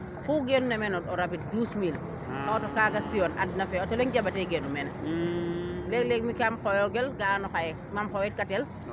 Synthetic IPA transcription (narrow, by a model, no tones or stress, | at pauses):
xuɡenunɐmɛnɔtɔɾabit̚duːsmil | ɔtɔkaɡɐsiɔna̰d̚nɐfɛɔtɔlɛŋɟɐbɐtɛɡɛnumɛn | lɛklɛk̚mikamxɔjɔɡɛlɡaanɔxajɛ | mamxɔwɛt̚katɛl